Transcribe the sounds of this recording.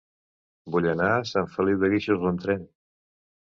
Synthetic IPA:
buʎənasaɱfəliwðəɣiʃozlənt̪ɾɛn

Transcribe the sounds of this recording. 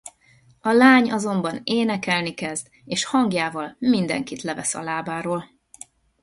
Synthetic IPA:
ɒlaːɲɒzo̞mbɒneːnɛkɛlnikɛzd̪ | eːʃhɒŋɡjaːvɒlmind̪ɛ̰ŋkit̪lɛvɛsɒ̰laːbaːɾoːl

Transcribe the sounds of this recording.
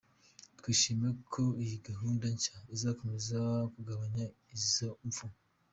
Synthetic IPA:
tkwiʃimekʰoijiɡaɦuːndaɲt͡ʃaizako̞mezakuɡaβaɲa | izoɱfum

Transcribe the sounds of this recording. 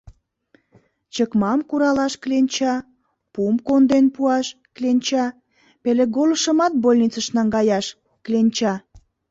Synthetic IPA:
t͡ɕəkmɑmkuɾɑlɑʃklenʲt͡ɕɑ | pumkond̪enpuɑʃ | klʲenʲt͡ɕɑ | peleɡoləʃə̆mɑt̪̚bolʲnit͡səʃnɑŋɡɑjɑʃ | klenʲt͡ɕɑ

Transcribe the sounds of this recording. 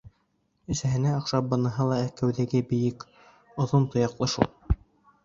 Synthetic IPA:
ɵ̆sæɦɘ̆næɑqʃɑp̚bɤ̆nɤ̆ɦɤlˠɑækæwðæɡɘbɘ̆jɘk | ŏðont̪ŏjɑqlˠɤʃṵlˠ

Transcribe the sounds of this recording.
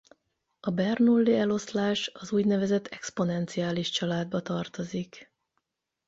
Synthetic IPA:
ɒbɛrnulːiɛlo̞slaːʃɒzuːɟnɛvɛzɛt̪ʰːɛkspo̞nɛnt̪siaːliʃt͡ʃɒlaːd̪̚bɒt̪ɒrt̪o̞zik

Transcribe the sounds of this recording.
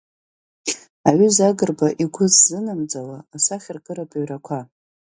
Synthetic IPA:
aɥʏzaɡɨrbaʔiɡʷʰʊzzɨnamd͡zalaːsaχʲɪrɡʼɨɾapʼaɥrakʷʰa

